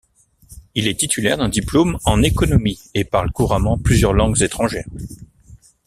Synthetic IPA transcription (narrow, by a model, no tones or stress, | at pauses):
ilɛt̪it̪ʰylɛ̰ʁd̪ɛ̃d̪iplomɑ̃nekɔnɔmiepaʁlkuʁamɑ̃plyzjœʁlɑ̃ɡzet̪χɑ̃ʒɛːʁ